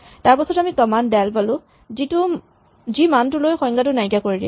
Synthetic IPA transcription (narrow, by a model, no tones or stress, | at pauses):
taɹpɔsɔtamitɔmandɛlpalʊ̃ | zitʊ | zimantʊlojxɔj̃ŋɡatʊnajɡakoɹidiɛ̰